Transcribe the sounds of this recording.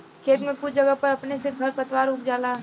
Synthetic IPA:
kʰeːt̪mẽkʊt͡ʃʰd͡ʒɐɡəpɐɾɐpneseɡʱɐɾpɐt̪waːɾoːkd͡ʒaːlaː

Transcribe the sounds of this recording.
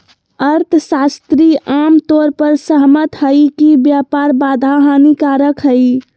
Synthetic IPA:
əɾt̪ʰsast̪ɾiʔamt̪oɾpəɾsəɦmət̪ɦəjkibjapaɾbad̪ʱaɦanikaɾəkɦəj

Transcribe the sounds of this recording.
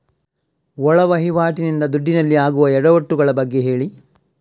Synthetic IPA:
ɔɭɐʋɐɦiʋaːʈinind̪ɐd̪uɖːinɐlːiaːɡuʋɐɛɽɐʋɐʈːuɡɐɭɐbɐɡːe̞ɦe̞ːɭi

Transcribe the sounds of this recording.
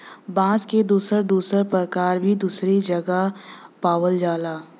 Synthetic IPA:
bãːsked̪uːsəɾd̪uːsəɾpɾəkaːɾbʱid̪uːsɾid͡ʒɐɡapaːwəld͡ʒaːlaː

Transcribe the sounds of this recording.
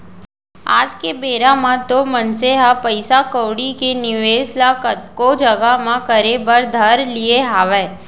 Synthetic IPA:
a̰ːd͡ʒkebeːɾãmãt̪omənseɦapəɪsakəwɽikenɪʋeːslakət̪kod͡ʒəɡamãkəɾebəɾd̪ʱəɾlieɦaːʋɛː

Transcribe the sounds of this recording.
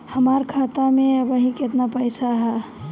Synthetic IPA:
həmaɾkʰat̪ameəbəɦĩket̪napəjsʰaɦɛ

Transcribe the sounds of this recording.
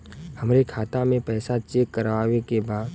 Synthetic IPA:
hɐmɾekʰaːt̪amẽpɛːsat͡ʃeːkːəɾʋaːʋekebaːd̪

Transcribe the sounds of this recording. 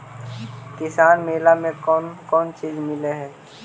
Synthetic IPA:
kɪsaːnmeːlamẽkɔnkɔːnt͡ʃiːzmɪleɦɛː

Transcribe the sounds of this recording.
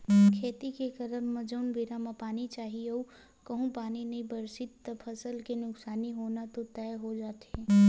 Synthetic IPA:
kʰeːt̪ikekəɾəmːəd͡ʒəːnbiɾamãpaːnit͡ʃaːɦieo | kɐɦũpaːninɐɦĩbəɾsɪt̪ːəbpʰəsəlkenʊksaːniɦoːnat̪ot̪ɛjɦod͡ʒaːt̪ɛ̃

